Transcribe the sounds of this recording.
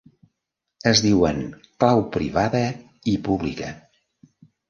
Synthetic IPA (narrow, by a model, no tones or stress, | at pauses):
əzðiwəŋ | klawpɾiβaðə | ipuβlikə